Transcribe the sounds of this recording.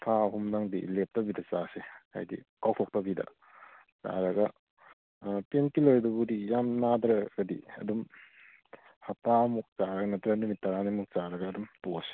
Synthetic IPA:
pʰaɦumnaŋdḭlep̚tɐbidɐt͡ʃaseha̰jdḭkawpʰɔk̚tɐbidɐ̰ | t͡ʃa̰ɾɐɡɐ | tenkiloɾdubudijamnadɾɐɡɐdḭɐ̰dum | hapamuk̚t͡ʃaɾɐɡɐnɐtɾɐnumit̚ːaɾanimuk̚t͡ʃaɾɐɡɐːdumtose̥

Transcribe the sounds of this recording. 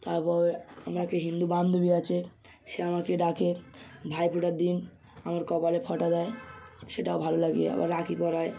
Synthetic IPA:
t̪aɾpɔɾeamɾakeɦind̪uband̪ʱobiat͡ɕʰe | ʃeamakeɖakebʱajpʰuʈaɾd̪in | amaɾkɔpalepʰɔʈad̪aeʃeʈaobʱalolaɡiea̰ba̰ɾːakipɔɾae

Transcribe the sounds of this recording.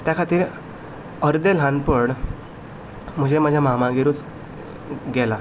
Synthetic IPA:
t̪jakʰat̪iːɾ | əɾd̪elɦanpəɽ | m̤əd͡ʑemad͡ʑʱjamamaɡeɾuːt͡s | ɡɛla

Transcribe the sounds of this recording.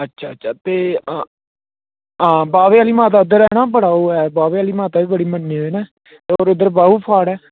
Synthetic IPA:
ətːʃʰa̰ːətːʃʰaːt̪eː | ɦãːbaːʋeːaːliːmaːt̪aːɪd̪əɾɛːnãːbəɽaːoːɛːbaːʋeːaːliːmaːt̪aːʋiːbəɽiːmənːiːɦoːnɛː | t̪eːoːɾɪd̪əɾbaːɦuːpʰaːɽɛː

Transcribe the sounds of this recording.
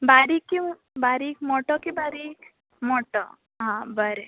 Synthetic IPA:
baɾikːi | baɾikmɔʈɔkibaɾik | mɔʈɔ | ɦãbəɾe

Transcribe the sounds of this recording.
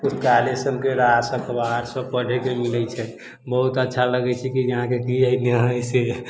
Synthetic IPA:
ust̪kalesənkeɾasə̃kbaɾsə̃pəɽ̤ekemilɛt͡ʃʰɛ | bəɦut̪ətːʃʰaləɡɛt͡ʃʰɛkid͡ʒəɦãkekiəjneɦse

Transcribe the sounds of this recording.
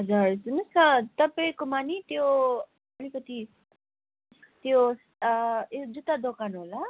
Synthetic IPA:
ɦʌd͡zarsunʌsat̪ʌpaĩkomanit̪jo | ʌlikʌt̪i | t̪jos | d͡zut̪ad̪okanɦola

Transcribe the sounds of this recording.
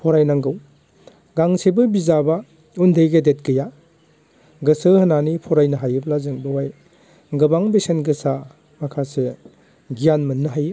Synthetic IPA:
pʰɔɾajnaŋɡɯw | ɡaŋsebɯbizaba | undʱejɡedet̚ɡɯja | ɡɯsɯhɯnanipʰɔɾajnɐɦajɯblazɯŋbɯwaj | ɡɯbaŋbesenɡɯsa | makʰase | ɡijanmɯnːɯɦaj

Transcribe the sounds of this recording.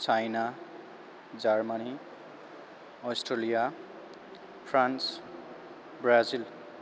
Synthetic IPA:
t͡sajna | d͡zarmani | ɔsʈrelija | pʰrans | bɾazil

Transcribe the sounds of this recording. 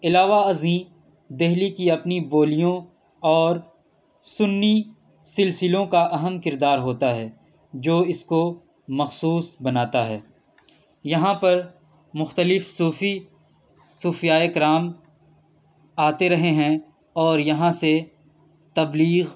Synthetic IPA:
ɪlaːʋaɐzĩː | d̪eɦlikiɐpniboːlijõ | ɔːɾ | sʊnːi | sɪlsɪlõkaʔɐɦəmkɪɾd̪aːɾɦoːt̪aɦɛː | d͡ʒoːɪsko | mɐxsuːsbɐnaːt̪aɦɛː | jɐɦãpɐɾ | mʊxt̪əlɪfsuːfi | suːfijaːekɪɾaːm | aːt̪eɾɐɦeɦɛ̃ | ɔːɾjɐɦãse | t̪ɐbliːɣ

